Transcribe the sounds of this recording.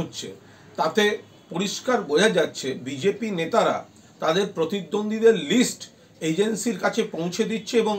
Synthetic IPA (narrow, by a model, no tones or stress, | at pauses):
otːɕʰḛ | t̪at̪e | poɾiʃkaɾbod͡ʑʱad͡ʑatːɕʰebid͡ʑepinet̪aɾa̰ | t̪ad̪eɾpɾot̪id̪ːond̪ʱid̪eɾlisʈ | ed͡ʑensiɾkat͡ɕʰepõw̃t͡ɕʰed̪itːɕʰeeboŋ